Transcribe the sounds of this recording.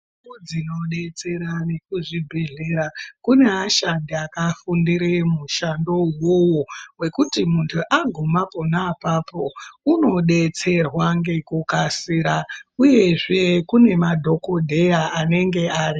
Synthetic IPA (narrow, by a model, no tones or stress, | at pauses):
od͡zino̞ɗe̞t͡se̞ɾane̞kuʐibʱe̞ɮe̞ːɾakune̞aʃandiakafundiɾemuʃando̞uwowo̞we̞kutimuntʰuʔaɡʱomapo̞napaːpo̞uno̞ɗe̞t͡se̞rwaŋɡe̞kukasiːɾauje̞ʐe̞kune̞madʱo̞ko̞dʱe̞jaːne̞ŋɡe̞aːri